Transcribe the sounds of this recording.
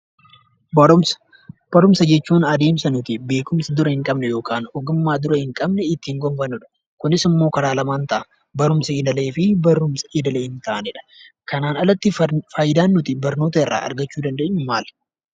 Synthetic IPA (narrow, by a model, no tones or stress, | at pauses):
b | b̥ɐɾʊmsɐd͡ʒɛt͡ʃːuːnɐd̪e̞ːmsɐnʊt̪ɪbe̞ːkʊmsɐd̪ʊɾɐhɪŋkʼɐbnɛjo̞ːkaːnɔɡʊmːaːd̪ʊɾɐhɪŋkʼɐbnɛɪt̪ːɪhɪŋɡɔmfɐnːʊᶑɐ̥ | kʊnɪsɪmːo̞ːkɐɾaːlɐmaːnt̪ɐʔɐ | bɐɾʊmsɐeːd̪ɐle̞ːfɪbɐɾʊmsɐ̥eːd̪ɐleːhɪnt̪ɐʔɐnɪᶑɐ̥ | kɐnaːnɐlɐt̪ːɪfaːjɪd̪aːnːʊt̪ɪbɐɾno̞ːt̪ɐɪrːa̰ːʔɐ̰ɾɡɐt͡ʃːuːd̪ɐnd̪eːɲːʊmaːl